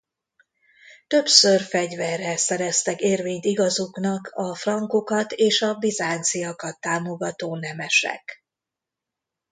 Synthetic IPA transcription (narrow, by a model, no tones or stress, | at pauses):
t̪ø̞psørfɛɟvɛrːɛsɛɾɛst̪ɛkeːrveːɲt̪iɡɒzuknɒkʰɒfrɒŋkokɒt̪eːʃɒbizaːnt̪sijɒkɒt̪ːaːmo̞ɡɒt̪oːnɛmɛʃɛ̰k